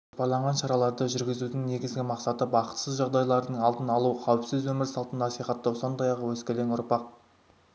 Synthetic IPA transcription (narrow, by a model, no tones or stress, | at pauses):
opɑɾlˠɑɴʁɑnʃɑɾɑlˠɑɾd̪əʒʏɾɡʲɪzud̪ɪŋne̞ɡʲɪzɡʲɪmɑqsɑt̪əbɑqə̥t̪səzʒɑʁd̪ɑjlˠɑɾd̪əɴɑlˠt̪ənɑlˠuqʰɑwpsɪzwɵmɪɾsɑlˠt̪ənnɑsijχɑt̪ːɑwso̞nd̪ɑjɑʁəwɵskʲelenʊɾpɑq̚